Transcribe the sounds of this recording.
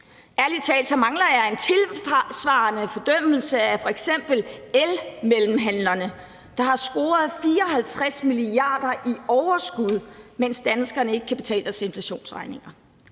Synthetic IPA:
ʔæɐlit͡sʰɛ̰ːld̥sɒmɑ̈ŋlɐjɑe̝nt͡sʰe̝lsʋɑ̈ːnəfɒ̽d̥œm̰l̩səæfɒ̽eɡ̥sem̰b̥l̩elmelm̩ɦænlɐnə | d̥ɑ̈ɦɑ̈sɡ̥o̝ːɐð̞ˠfiːɐɒ̽ɦælt͡sʰʁasmiliɑ̈ːd̥ɐʔiɒʊɐsɡ̥uð̞ˠmen̰sd̥ænsɡ̥ɐnəe̝ɡ̥əkʰæb̥e̝t͡sʰɛ̰ːlɐse̝nflæɕo̝̰ːnsʁɑ̈ɪne̝ŋɐ

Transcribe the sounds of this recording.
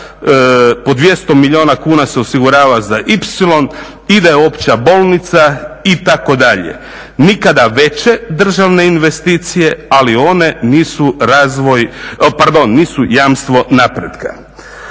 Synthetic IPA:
po̞d̪ʋje̞st̪o̞miʎio̞ːnakuːnaseo̞siɡuɾaːʋazaʔipsilo̞n | id̪ajeo̞pt͡ɕabo̞lˠnit̪sait̪ako̞d̪aʎḛ | nikad̪aʋe̞t͡ɕe̞d̪r̩ʒaʋne̞inʋe̞st̪iːt̪sije̞alio̞ne̞niːsuɾazʋo̞jpaɾd̪o̞nːiːsujaːmst̪ʋo̞napɾe̞d̪ka̰

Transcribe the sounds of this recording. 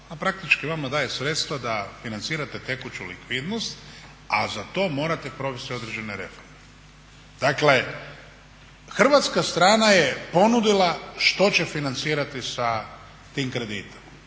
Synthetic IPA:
apɾak̚t̪it͡ʃkiʋamad̪aːje̞sɾe̞t̪st̪ʋad̪afinant̪siːɾat̪e̞t̪e̞kut͡ʃulḭkʋid̪no̞st̪ | azat̪o̞ːmo̞ːɾat̪e̞pɾo̞ʋest̪io̞d̪ɾed͡ʑe̞neɾe̞fo̞ɾme | d̪̥akle̞ | xr̩ʋat̪skast̪ɾaːnajepo̞nud̪ilˠaʃt̪o̞t͡ɕe̞finant̪siːɾat̪isa | t̪iːmkɾe̞d̪iːt̪i̥m

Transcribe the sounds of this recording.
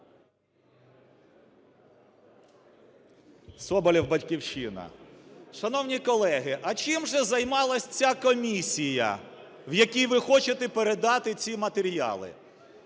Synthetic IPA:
sɔbɔlʲiwbɐtʲkʲiwʃɪnɐ̰ʃɐnɔwnʲikɔlˠɛɦɪʔɐt͡ʃɪmʒɛzɐjmɑlˠɐsʲt͡sʲakɔmʲisʲijɐ̰ | wjɐkʲijʋɪxɔt͡ʃet̪ɛpeɾed̪ɑt̪ɪt͡sʲimɐt̪eɾʲjɑ̰lˠɪ̰

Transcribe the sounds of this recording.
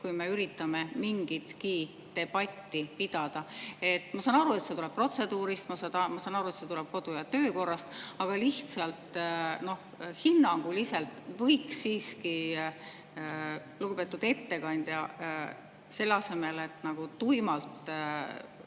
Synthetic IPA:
kujme̞yɾit̪ːˑɑme̞miŋɡit̪ki̥ː | e̞b̥ɑt̪ʲːipid̪̥ɑd̪̥ɑe̞t̪ːˑmɑsɑnɑɾue̞t̪se̞t̪ulɛ̥pro̞t̪se̞d̪uːɾist̪mɑsɑt̪ɑmɑsɑnɑɾue̞t̪se̞t̪ulɛb̥̚ko̞d̪ujɑt̪ø̞ːko̞rːɑst̪ɑɡ̥ɑliht̪sɑlt̪no̞h | hinːɑŋɡ̥uliselt̪vɤjksːiːski | luɡupe̞ːt̪ːˑud̪̥e̞t̪ːe̞kɑnʲd̪̥jɑ | se̞lːɑse̞me̞le̞t̪ːˑnɑɡ̥ut̪ujmɑlt̪

